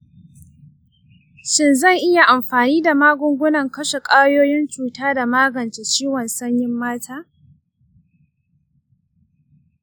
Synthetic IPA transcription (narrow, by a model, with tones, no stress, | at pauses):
ʃɪ˦nzɐ˦˨ŋʔɪ˦ja˨ʔa˨mɸaː˨niː˦da˨maː˦ɡʷʊ˦ŋɡʷʊ˦nɐ˨ŋkɐ˦ʃe˨kʼaː˦joː˦jɪ˦nt͡ʃuː˨taː˦da˨maː˦ɡɐ˨nt͡ʃe˨t͡ʃiː˦wɔ˨nsɐ˦ɲjɪ˦mːaː˦tʰaː˦